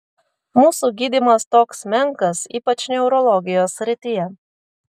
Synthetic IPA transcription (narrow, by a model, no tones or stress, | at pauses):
muːsuɡʲiːd̪ʲiːmɐst̪oːksmʲɛŋkɐsiːpɐt͡ʃnʲɛʊɾɔlˠɔɡʲɪjoːsːʲɾʲɪt̪ʲijɛ